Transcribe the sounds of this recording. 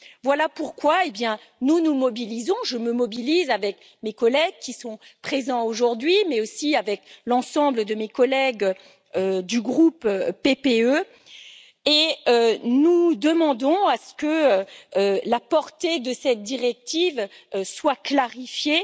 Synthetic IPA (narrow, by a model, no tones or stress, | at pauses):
vwalapuʁkwaebjɛ̃ | nunumɔbilizɔ̃ʒəməmɔbilizavɛk | mekɔlɛɡ̚kʲisɔ̃pχezɑ̃oʒuʁd̪ɥimɛosiavɛklɑ̃sɑ̃bləd̪əmekɔlɛɡ | ød̪yɡʁupøepeø | eønud̪əmɑ̃d̪ɔ̃asə̥kəølapɔʁt̪ed̪əsɛt̪̚d̪iʁɛk̚t̪ivøswaklaʁifje